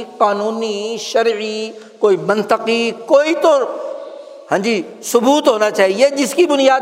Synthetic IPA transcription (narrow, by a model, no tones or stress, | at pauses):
qaːnuːniʃɐɾʕi | koːimɐ̃nt̪əqikoːit̪o | hɐ̃ːɲd͡ʑi | sʊbuːt̪ɦoːnat͡ʃaːɦied͡ʑɪskibʊnijaː